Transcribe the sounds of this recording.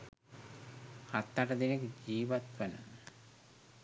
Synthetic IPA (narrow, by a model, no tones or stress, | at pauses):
hat̪ːaʈəd̪enekəd͡ʒiːʋat̪ʋænə̰